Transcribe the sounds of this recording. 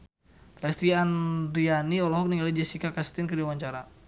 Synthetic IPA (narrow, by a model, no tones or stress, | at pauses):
lɛst̪iand̪ɾianiɔlɔɦɔk̚niŋɡalid͡ʒɛsikakast̪ɪnkədiawaɲt͡ʃaɾa